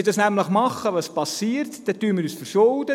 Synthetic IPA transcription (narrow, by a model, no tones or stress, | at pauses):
ɪdɑsnæmləχmɑχəʋɑspɑsiːərtd̥ɛtyːəmɪːɾyːsfəɾʃoldə